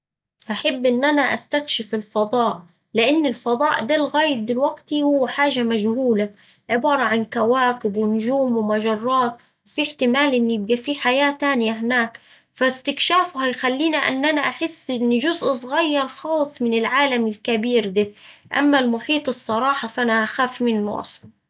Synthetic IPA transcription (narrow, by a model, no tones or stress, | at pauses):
ʔaħabːʔɪnːʔanaʔast̪akʃɪfɪlfɑd̪ˤɑːʔ | lɪʔanːɪlfɑd̪ˤɑːʔd̪aːlɣaːjɪb̪̚ːɪlwaɡt̪ihʊwːħaːʒamaʒhuːla | ʕɪbɑːɾˤɑʕankawaːkɪbwɪnʊʒuːmwmaʒɑrˤːɑːt̪ | wfiħt̪ɪmaːlʔɪnːjɪb̚ɡafiħajaːt̪aːnjaɦɪnaːk | fast̪ɪkʃaːfʊhajxalːiːniʔa̰nːʔanaʔaħɪsːʔɪnːiʒʊzʔsˤɣajːɑɾˤxɑːsˤːmɪnɪlʕaːlamɪlkabiːɾd̪aʔa̰mːalmʊħiːt̪ˤɨsˤːɑɾˤɑːħɑfʔanaʔaxaːfmɪnːʔɑ̰sˤ